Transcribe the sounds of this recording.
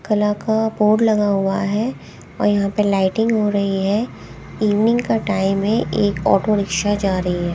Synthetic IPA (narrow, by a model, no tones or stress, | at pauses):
kɐlakaboːɖlɐɡaɦʊaɦɛ | ɔ̰ːɾjɐɦãpɐlaːɪʈɪ̃ŋɡɦoɾɐɦiɦɛ | iːʋnɪ̃ŋɡkaʈaːɪmːẽʔeːkɔ̰ːʈoɾɪkʃad͡ʒaːɾɐɦiɦɛː